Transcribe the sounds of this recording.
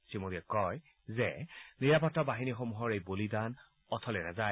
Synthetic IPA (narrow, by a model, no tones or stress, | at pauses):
simodiɛkɔj | zɛniɹapɔtːɔbaɦinixomuɦɔɹejbolidan | ɔtʰɔlɛnaza